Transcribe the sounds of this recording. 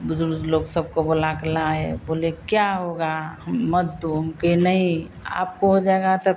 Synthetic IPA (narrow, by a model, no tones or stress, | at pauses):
bʊd͡ʒʊɾd͡ʒloːɡsəb̚kobolaklaɦɛ̰bolekjaɦoɡaɦəmːəd̪d̪uɦmkenəɦĩ | a̰ːp̚koɦod͡ʒaeɡat̪ɔ